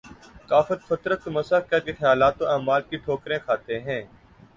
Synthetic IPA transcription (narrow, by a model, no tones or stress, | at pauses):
kaːfət̪fət̪ɾət̪̚kməsaːkːaːk̪ixəjaːlaːt̪õaːmaːlkiʈʰoːkɾẽːkʰaːt̪eɦɛ̃ː